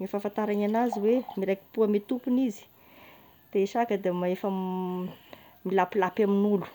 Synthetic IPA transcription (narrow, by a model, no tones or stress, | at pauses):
mefafant̪aɾananaziwemiɾajki̥puamet̪upunizi̥ | d̪̥eʃakəd̪emaefə | milapilapaminulu̥